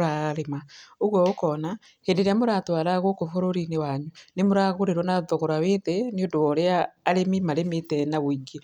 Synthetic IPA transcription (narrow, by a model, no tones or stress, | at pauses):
ɾaɾemaoɣwɔokɔna | hendeɾeamoɾatwaːɾaɣokofoɾoɾinewaɲunemoɾaɣoɾeɾwɔnaðoɣoɾaweðɛneodoɔɾeaːɾememaɾemetɛnaβoiɡe